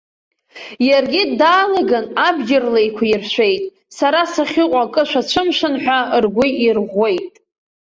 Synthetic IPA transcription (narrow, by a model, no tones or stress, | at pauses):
jarɡʲɪdaːlaɡanabd͡ʒɪrlejkʷʰairʃʷe̞jtʼ | saɾasaχʲɪqʷʼakʼɨʃʷat͡ʃʷʰɨmʃʷɨnħʷᶣarɡʷʊirʁʷːe̞jtʼ